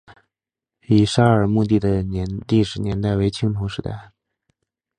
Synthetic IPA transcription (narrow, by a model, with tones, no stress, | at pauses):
i˨˩ʂa˥ə˞˨˩mu˥˧t̪i˥˩d̪ə˩nɛ˧˥nt̪i˥˩ʂɻ̩˧˥njɛ˧˥nt̪a˥˩ɪwe˧˥ɪt͡ɕʰi˥ŋt̪ʰo˧˥ʊʂɻ̩˧˥t̪a̰˥˩ɪ